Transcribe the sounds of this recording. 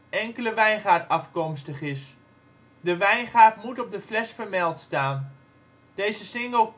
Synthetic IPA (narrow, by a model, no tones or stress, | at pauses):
ɛŋkələʋɛjnχaːɹtɑfkɔmstəχɪs | dəʋɛjnχaːɹtmutɔb̚dəflɛsfəɹmɛlˠtstaːn | d̥ejzəsɪŋəlˠ